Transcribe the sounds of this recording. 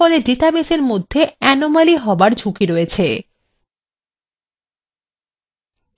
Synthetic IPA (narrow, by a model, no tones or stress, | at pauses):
ɔleɖeʈabeseɾmod̪ʱːeɛnomaliɦɔbaɾd͡ʑʱukiɾoet͡ɕʰe